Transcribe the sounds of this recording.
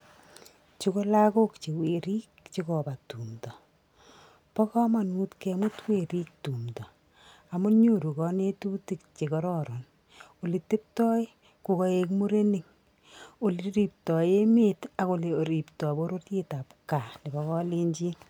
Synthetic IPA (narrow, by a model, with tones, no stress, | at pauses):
t͡ʃuko˦la˦ko˦kt͡ʃe˨we˨ɾiː˦kt͡ʃi˦kɔ˨ba˨tu˨mtɔ˨ | pɔ˦kɔ˦ma˨nu˦tke˧mu˦twe˨ɾi˦k̚tu˨mdɔ˨ | a˨mu˦ɲo˦ɾu˨kɔ˦ne˦tu˦ti˦k̚t͡ʃe˨kɔ˨ɾɔ˦ɾɔ˨n | o˨li˨te˦p̚tɔ˦ɪ˦ | ku˨kɔ˧ekmu˦ɾe˦ni˨ŋ | o˨li˨ɾi˨p̚tɔ˨je˦meta˨ko˨le˨o˨ɾi˨ptɔ˨bo˦ɾo˦tje˦ta˨pka˨ni˨bɔ˦kɔ˦le˦ɲd͡ʒi˦